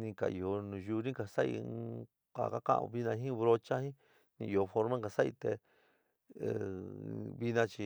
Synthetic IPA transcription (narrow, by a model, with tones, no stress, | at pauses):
nĩ˧ka̰˨ʔi˨o˧nũ˨˧ʒu˧˦nĩ˦ka˨sa˦ḭ˧ | kʷa̰˨ka˦kã̰˦ʔβi˧nã˧ɦĩ˦˧βɾo˧t͡ʃa˦hĩ˦ | nĩ˧˨i˧o˧fo˧ɾmẽ˦ka˧sa˦ʔi˧t̪e˧˨ | βi˧nã˧t͡ʃi˧